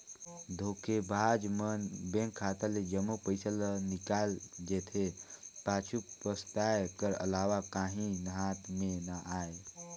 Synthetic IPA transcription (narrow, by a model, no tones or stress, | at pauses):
d̪ʱoːkebaːd͡ʒmənbẽŋkʰːaːt̪əled͡ʒəmupəɪsəlnikaːld͡ʒet̪ʰepaːt͡ʃʰupəst̪aːjkəɾə̰laːʋakaːɦĩnəɦaːt̪menaʔaːe